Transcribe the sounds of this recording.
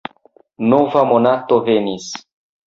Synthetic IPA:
novamonat̪ovenis

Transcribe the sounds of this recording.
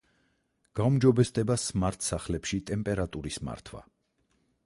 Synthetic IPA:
ɡ̥aumd͡ʒɔbɛsd̪ɛbasmaɾt̪ʰsaχlɛpʃit̪ʼɛmpʼɛɾat̪ʼuɾisma̰ɾt̪ʰwa̰

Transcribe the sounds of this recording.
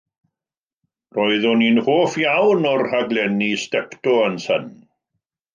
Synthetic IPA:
rɔɨðɔninhoːfjawnɔrhaɡlɛnistɛptɔənsən

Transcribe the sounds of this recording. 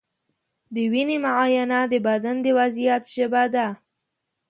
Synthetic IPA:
d̪əwinemaʕɑjanad̪əbad̪and̪əwazijat̪ʒəbad̪a

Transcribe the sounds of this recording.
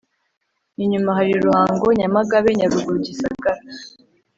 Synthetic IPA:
niɲumaɦaɾiɾuhaːŋɡo̞ɲamaɡaβe̞ɲaɾuɡuɾuɟisaɡaɾa

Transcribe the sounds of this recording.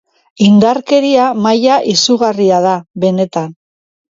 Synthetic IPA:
ind̪aɾke̞ɾiamajaʔisuɣariaðaβe̞ne̞t̪an

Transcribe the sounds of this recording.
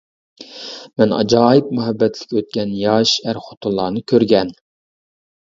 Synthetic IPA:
mɛnɑ̰d͡ʒɑːjip̚myɦɛbːɛt̪ʰlɪ̥kʲøt̪̚kʲɛnjɑʃæɾχo̥t̪ʰʊlˠːɑːnɨkʲʰøɾɡʲɛn

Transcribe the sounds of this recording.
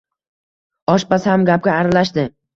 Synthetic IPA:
ɒʃpasɪhamɡʲap̚ɡʲaːɾalaʃd̪ɪ

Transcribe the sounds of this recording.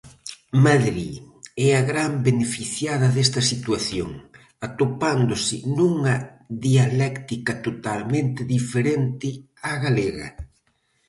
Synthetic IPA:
maðɾi | ɛaɣɾambenefiθjaðɐðest̪ɐsit̪waθjo̰ŋ | at̪opand̪osɪ̰nuŋɐðialɛkt̪ikɐt̪ot̪almẽnt̪ɪðifeɾent̪ɪ | aɣaleɣɐ̰

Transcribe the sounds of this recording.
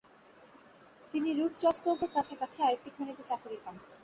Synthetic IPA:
t̪iniɾuʈ̚d͡ʑɔʃkowpoɾkat͡ɕʰaɾkat͡ɕʰeaɾek̚ʈikʰonit̪et͡ɕakoɾiɾpan

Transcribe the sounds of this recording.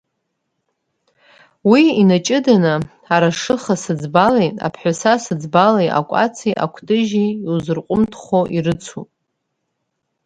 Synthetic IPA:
wiinat͡ʃʼɪdanɨ | aɾaʂɨχasɨd͡zbalejtʼa̰pʰħʷᶣasasɨd͡zbalejʔa̰kʷʼa̰t͡sʰijʔa̰kʷʰdʼɨʒiiwzɨrqʷʼʊmtʰχoʔirɨt͡sʰupʼ

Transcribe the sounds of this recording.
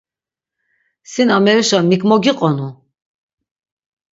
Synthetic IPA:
sinamɛɾiʃamikʰʼmɔɡiqʼɔnu

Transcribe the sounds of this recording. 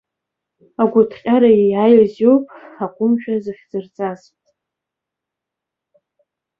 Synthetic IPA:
aɡʷʊtʰqʲʼaɾajijajozowpʼakʷʼʊmʃᶣazɨfʲd͡zɨrt͡sʼazpʼtʼ

